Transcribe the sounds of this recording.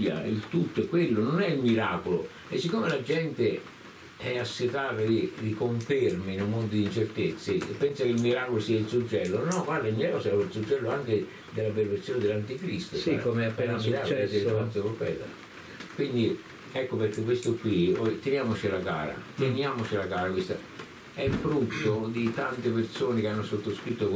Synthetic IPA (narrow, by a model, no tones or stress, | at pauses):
ja̰ḭlt̪ut̪ːʊɛkːwelːʊnʊnɛilmiɾaːkʊlʊ | ɪsːikːomɪlad͡ʒɛnt̪ɪ | ɛasːɪt̪aːt̪ad̪id̪ikoɱfermɪinumːond̪ʊd̪int͡ʃert̪et̪sːɪpːɛnsakɪlmiɾaːkʊlʊsiːailsud͡ʒːɛlːʊnɔɡward̪ailmːiɾaːkʊsɛailsud͡ʒːɛlːʊaŋkɪ | d̪elːaperveɾsjoːnɪd̪elːant̪ikɾist̪oikomeapɛlamːiɾaːksansopopɛ̰ːt̪a̰ | kwind̪i | ɛkːoperk̟ːek̬ːwest̪ʊkwiɔjt̪enjaːmʊt͡ʃɪlaɡaːɾa̰t̪enjaːmʊt͡ʃɪlaɡaːɾakwist̪a | ɛfɾut̪ːod̪it̪ant̪ɪpersoːnɪkeanːʊsot̪ːoskɾit̪ːok